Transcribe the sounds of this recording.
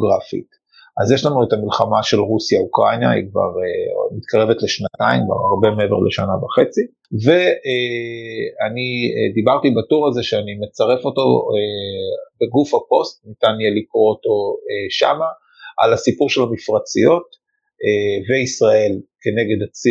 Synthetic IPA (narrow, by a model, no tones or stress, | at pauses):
ɡʁafḭt | ʔazjeʃlanuetamilχamaʃe̞lʁusijaukʁanja̰ḭkva̰ʁemit̪kʰaʁe̞vetle̞ʃnataimva̰aʁbe̞meeveʁleʃanavaχe̞t͡si | ve̞e | anid̪ibaʁtibatuʁaze̞ʃeanime̞t͡saʁe̞fo̞to̞ebeɡufhapo̞st̚nitanjalikʁooto̞eʃa̰ma | ʔa̰lasipuʁʃe̞lamifʁat͡sijo̞t | eveisʁae̞lke̞ne̞ɡe̞dat͡si